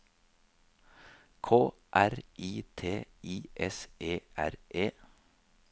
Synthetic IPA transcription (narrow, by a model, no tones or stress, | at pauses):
kʰoː | ʔæɾʔiːt̪ʰeːʔiːʔɛsʔeːʔæ̰ɾʔeː